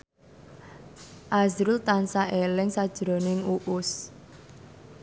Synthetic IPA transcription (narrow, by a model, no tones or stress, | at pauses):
ʔazɾʊlt̪ansaʔelɪŋsad̥ʒ̥ɾo̤nɪŋuʔʊs